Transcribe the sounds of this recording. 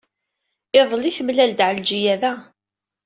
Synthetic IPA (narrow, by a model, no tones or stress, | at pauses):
ɪðˤliθəmlæld̪ʕəld͡ʒijæðæ